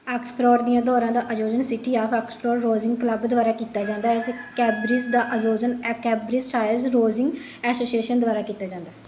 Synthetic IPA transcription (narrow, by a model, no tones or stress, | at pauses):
ɛːkspʰɾɔːɾd̪ijãːd̪ɔːɾãːd̪aːʔəd͡ʒoːzənsɪʈiːaːpʰɛːkspʰɾɔːɾːoːzɪ̃ŋɡkləbd̪ʊʋaːɾaːkiːt̪aːd͡ʒãːnd̪aːɛskɛːbɾɪzd̪aːʔəzoːzənɛːkɛːbɾɪzʃaːjəlzɾoːzɪ̃ŋɡ | ɛːsoːsieːʃənd̪ʊaːɾaːkiːt̪aːd͡ʒãːnd̪aː